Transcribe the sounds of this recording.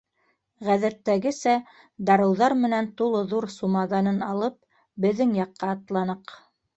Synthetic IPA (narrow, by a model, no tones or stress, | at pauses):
ʁæðæt̪ːæɡɘsæ | d̪ɑɾɤ̆wðɑɾmɘ̆nænt̪ulˠɤðuɾsumɑðɑnɤnɑlˠɤp̚ | bɘ̆ðːɘŋjɑqːɑːt̪lˠɑnɤq